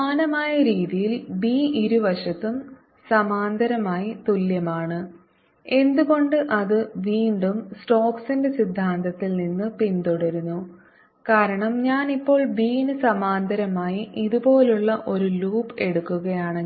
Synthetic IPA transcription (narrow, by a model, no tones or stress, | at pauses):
aːnɐmaːjɐɾiːðijilbiːiɾuʋɐʂɐt̪ːum | sɐmaːnd̪ʱɐɾɐmaːjit̪uljɐmaːɳɨ | e̞nd̪uɣo̞ɳɖɨʔɐðɨʋiːɳɖumsʈo̞ːksinde̞sid̪ʱːaːnt̪ʰɐt̪ːilninːɨpint̪uɽɐɾunːu | kaːɾɐɳɐmɲaːnipːo̞ːɭbiːinɨsɐmaːnd̪ʱɐɾɐmaːjiʔiðubo̞ːluɭːɐʔo̞ɾuluːpe̞ɽukːuɣɐjaːɳɨ